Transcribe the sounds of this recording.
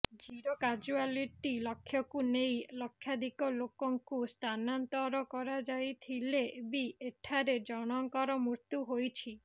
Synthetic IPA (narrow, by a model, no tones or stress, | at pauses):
d͡ʒiɾokad͡ʒualiʈilɔkʰːjɔkunejlɔkʰːjad̪ikɔlokɔŋkust̪ʰanant̪ɔɾɔkɔɾad͡ʒajt̪ʰileebieʈʰaɾed͡ʒɔɽ̃ɔŋkɔɾɔmuɾt̪juɦojt͡ʃʰi